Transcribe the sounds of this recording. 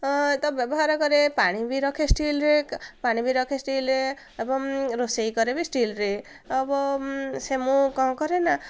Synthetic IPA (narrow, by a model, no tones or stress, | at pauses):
t̪ʌbjʌbɔɦaɾaɡʌɾepaɽ̃ibiɾʌkʰesʈilɾekpaɽ̃ibiɾʌkʰesʈilɾe | ebʌmɾosejɡʌɾebisʈilɾe | ʌbʌsemukʌ̃kʌɾena